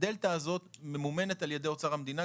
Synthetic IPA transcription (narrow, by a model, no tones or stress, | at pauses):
delt̪aːzo̞t̪me̞mume̞net̪alje̞d̪eo̞t͡saʁamd̪ina